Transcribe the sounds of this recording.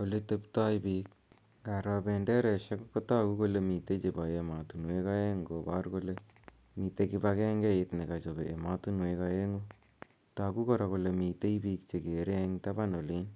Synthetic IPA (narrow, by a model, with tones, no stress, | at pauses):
o˨le˦te˦pta˦jbi˦k̚ | ɡa˨ɾɔ˨bɛndɛ˦ɾɛ˨ʃɛ˦kkːo˦ta˦ku˦ko˦le˨mi˨te˦t͡ʃe˨ba˨jema˨tu˨nwe˦ka˦e˦ŋɡo˨ba˦ɾko˦le | mi˨te˦ki˦ba˦kɛ˦ŋɡɛ˦ɪtni˨ka˨t͡ʃo˨bḛʔe˨ma˦tu˦nweka˨je˦ŋo˦ | ta˨ku˦kɔ˨ɾa˨ko˨le˨mi˨te˦ibiː˧kt͡ʃe˨ke˨ɾeŋta˦ba˦no˨li˦n